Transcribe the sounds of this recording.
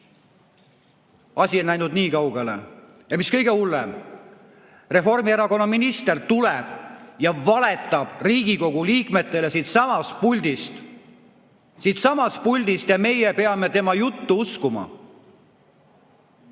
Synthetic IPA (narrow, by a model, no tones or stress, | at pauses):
ɑsʲienæjnud̪niːkɑwɡ̥elḛ | jɑmiskɤjɡ̥e̞ulːɛm | re̞fo̞rmieɾɑko̞nːɑminist̪e̞rt̪ulɛb̥jɑvɑle̞t̪ːˑɑb̥riːɡ̥iko̞ɡ̥uliːkme̞t̪ːˑe̞lesid̪sɑmɑst̪̚pulʲd̪̥ist̪ | siːt̪sɑmɑs̚pulʲd̪̥ist̪jɑme̞jepe̞ɑme̞t̪e̞mɑjut̪ːuuskumɑ̰